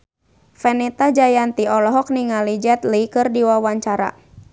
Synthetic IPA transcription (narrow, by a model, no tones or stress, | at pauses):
fɛnɛt̪ad͡ʒajant̪iɔlɔɦɔk̚niŋalid͡ʒɛt̪likɨrdiwawaɲt͡ʃaɾa̰